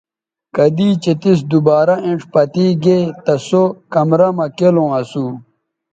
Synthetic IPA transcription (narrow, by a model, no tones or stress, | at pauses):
kɐd̪iːt͡ɕet̪is̬d̪ubaːɾɐĩɳʈ͡ʂpɐt̪iːɡet̪ɐsokɐmɾɐmɐkelõːɐsuː